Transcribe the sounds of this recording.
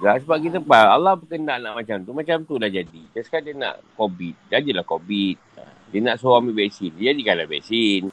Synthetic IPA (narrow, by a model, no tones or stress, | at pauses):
ɡasəbap̚kit̪əpaalahbəkəndaʔnaʔmat͡ʃamt̪umãt͡ʃamt̪ulahd͡ʒadit̪askadiəna̰ʔkobit̪̚d͡ʒad͡ʒilahkobit̪̚ə̰ | diənaʔsowamibɛʔsind͡ʒadikanlabɛ̰ʔsin